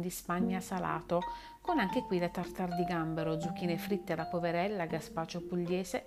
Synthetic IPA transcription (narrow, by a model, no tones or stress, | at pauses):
d̪ispaɲːasala̰ːt̪o | konaŋk̟ekwilet̪art̪ard̪iɡambeɾod̪zuk̟ːiːnefɾit̪ːelapoveɾɛlːaɡaspaːt͡ʃopuʎːɛːse